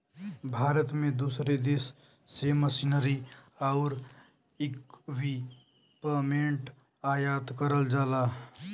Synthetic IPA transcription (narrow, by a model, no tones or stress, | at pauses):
bʱaːɾət̪mẽd̪uːsɾed̪esː | eməsinəɾi | aʊɾ | ɪkʋi | pəmeɳʈ | aːjat̪kəɾəld͡ʒaːla